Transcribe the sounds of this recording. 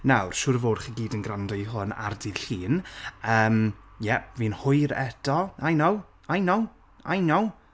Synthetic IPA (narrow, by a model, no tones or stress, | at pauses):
nawrʃʊɾəvoːdχiɡiːdənɡrandɔiɦʊna̰rdiðɬiːnəːmjɛvinhʊɨɾɛdɔajnow | ajnow | ajnɔw